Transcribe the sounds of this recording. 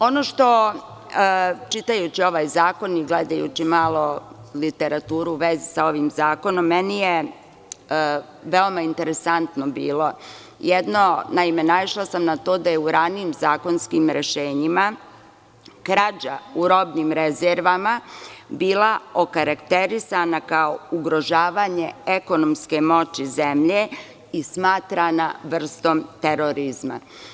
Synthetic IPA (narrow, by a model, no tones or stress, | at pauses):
o̞noʃt̪o̞ | t͡ʃit̪ajut͡ɕio̞ʋaːjzaːko̞niɡled̪ajṵt͡ʃimaːlˠo̞lit̪eɾat̪uːɾuːʋezisao̞ʋimzaːko̞no̞mːenije | ʋeomaint̪eɾesant̪no̞bḭːlˠo̞ | jɛd̪no̞naimenaiʃlasamnat̪o̞ːd̪ajeuɾaniːmzaːko̞nskimɾeʃeːɲima | kɾad͡ʑauɾo̞bnimɾezeɾʋamabiːlˠaokaɾakt̪e̞ɾisanakaouɡɾo̞ʒaːʋaɲe̞eko̞nomske̞mo̞t͡ɕizemʎe | ismaːt̪ɾanaʋr̩st̪o̞mt̪e̞ɾoɾizma̰